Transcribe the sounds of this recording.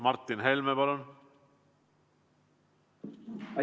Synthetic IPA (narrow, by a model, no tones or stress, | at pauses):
mɑrt̪ːˑinɦelmepɑlun